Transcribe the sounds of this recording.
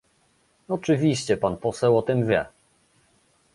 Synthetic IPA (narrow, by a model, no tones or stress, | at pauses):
ɔt͡ʂɘvʲiɕt͡ɕɛpanpɔsɛwɔt̪ɘmvʲjɛ̰